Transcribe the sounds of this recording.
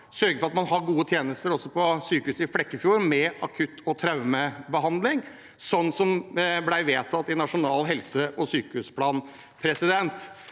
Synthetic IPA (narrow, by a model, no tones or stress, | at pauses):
sœɾɡəfɔɾɑt̪mɑnɦɑɾɡuːət̪ʰjeːnəst̪əɾɔsːɔpʰɔsyːkəʉːsɪflɛkːəfjuːɾmɛɑkʰʉt̪ʰːɔt̪ʰɾɑʉməbəɦɑnd̪lɪŋ | sɔnːsɔmblæɪʋeːt̪ʰɑt̪ːɪnɑʂʊnɑːlɦɛlsəʔɔsyːkəʉspʰlɑːn | pʰɾɛsɪd̪ɛnt̪